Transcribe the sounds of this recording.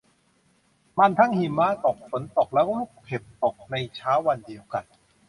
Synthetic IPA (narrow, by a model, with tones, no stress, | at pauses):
ma˧nt̪ʰa˥˩ŋhi˨˩mːaː˦˧˥t̪o˨˩k̚fo˩˦nt̪o˨˩k̚lɛ˦˥wluː˥˩p̚pʰe˨˩p̚t̪o˨˩k̚na˧jt͡ɕʰaː˦˥wːa˧ndi˧əwka˧˩n